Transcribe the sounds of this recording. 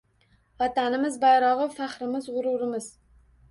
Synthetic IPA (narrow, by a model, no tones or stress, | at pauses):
vɑt̪anɪmɪzbajɾɒʁɨfaχɾɪmɪzʁʊɾuɾɪmɪz